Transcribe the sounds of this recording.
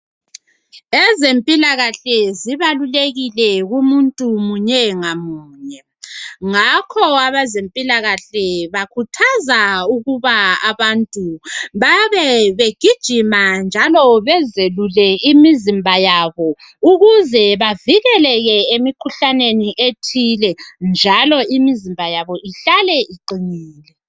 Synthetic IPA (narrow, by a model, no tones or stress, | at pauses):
ezempʼilaɣaɬɛziβaluleɣilɛɣumuntʼumuɲɛŋamuːɲɛ | ŋakʰɔaβazempʼilaɣaɬɛβakʰutʰazauɣuβaaβantʼuβaβɛβeɡ̥ʱid̥ʒ̥ʱimand͡ʒʱalɔβɛzelulɛimizimbʱajaβɔ | uɣuzɛβaviɣɛlɛɣɛemikʰuɬaneniʔetʰilɛnd͡ʒʱalɔimizimbʱajaβɔiɬalɛʔiǃiŋiːlɛ